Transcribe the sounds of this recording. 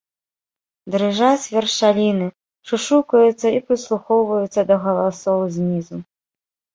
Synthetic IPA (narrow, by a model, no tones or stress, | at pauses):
d̪ɾɨʐasʲvʲɛrʂalʲinɨ | ʂuʂukɐjut̪sːɐipɾɨslˠuxɔwvɐjut̪sːɐd̪ɐɣɐlˠasɔwzʲnʲizu